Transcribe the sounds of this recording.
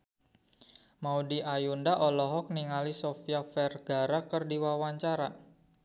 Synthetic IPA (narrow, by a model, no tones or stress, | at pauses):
maudiʔajundaʔɔlɔɦɔk̚niŋalisɔfiafɛrɡa̤ɾakərdiwawaɲt͡ʃaɾa